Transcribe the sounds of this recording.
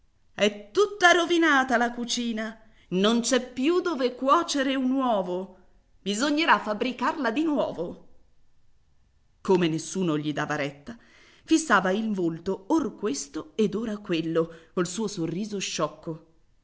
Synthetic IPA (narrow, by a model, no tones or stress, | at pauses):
ɛt̪ːut̪ːaɾovinaːt̪alakut͡ʃiːna | nont͡ʃɛpːjud̪oːvekwɔːt͡ʃeɾeunwɔːvo | bizoɲːeɾafːabɾikarlad̪inwɔːvo | komenesːuːnoʎid̪aːvaɾɛt̪ːa | fisːaːvailvolt̪oorkwest̪oed̪oːɾakwelːokolsuːosorːiːzoʃːɔkːo